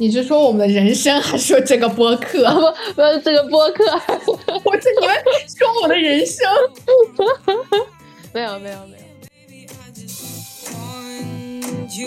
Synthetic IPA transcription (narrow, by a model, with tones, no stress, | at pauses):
ni˨˩t͡ɕjo˥˩ʂʂwɔ˥wɔ˨˩mə˦nd̪ə˧ɻə˧˥nʂɤ˥ŋxa˧˥ɪʂ̩˥ʂɔ˧˥ʈ͡ʂɤ˥˩ɡə˩pwɔ˥kʰɤ˥˩me˧˥jo˧˩˥ʈ͡ʂɤ˥˩ɡə˩pwɔ˥kʰɤ˥˩wɔ˨˩t͡ɕi˥˩i˧˥wʂwɔ˥wɔ˨˩d̪ə˦ɻə˧˥nʂɤ˥ŋ | me˧˥ɪjo˨˧me˧˥ɪjo˨˩me˧˥o˨˧˩